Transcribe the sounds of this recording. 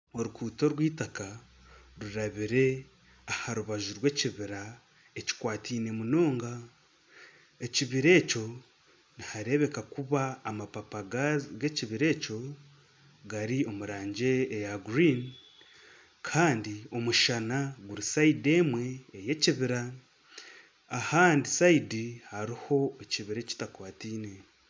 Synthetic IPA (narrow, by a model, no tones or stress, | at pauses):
o̞ɾukuːto̞ɾwiːtaka | ɾuɾaβiɾe̞ | ahaɾuβaʒuɾwe̞ciβiɾa | eci̥kwaːtʰiːne̞muno̞ːŋɡa | e̞ciβiɾe̞ːco̞ | nihaɾe̞βe̞kakuβaːmapapaɡaɡe̞ciβiɾe̞ːco̞ | ɡaɾio̞muɾaːɲɟe̞ːjaɡɾin | kʰaːndio̞muʃanaɡuɾisaide̞mwe̞ːje̞ciβiɾa | haːndisaidihaɾiho̞eciβiɾe̞ci̥takwaːtiːne̞